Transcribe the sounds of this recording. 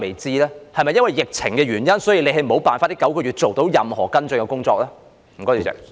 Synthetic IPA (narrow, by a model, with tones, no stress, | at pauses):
me˨˩jt͡siː˧lɛː˥hɐ˨jmɐ˨jːɐ˥nwɐ˨jːɪ˨k̚t͡sʰɪ˨˩ŋkɛː˧ɥyː˨˩njɐ˥nsɔː˨˥jiː˨˧le˨˧jɦɐ˨jm̩˨o˨˥wpaː˨nfaː˧t̚li˦˥kɐ˨˥wkɔː˧ɥyː˨˩t̚t͡ʃo˨wt̪o˨˥wjɐ˨mhɔː˨˩kɐ˥nt͡sɵ˧ŋkɛ˧kʊ˥ŋt͡sɔː˧k̚laː˥ | m̩˨˩kɔː˥ji˨˩ɛ̰˨˩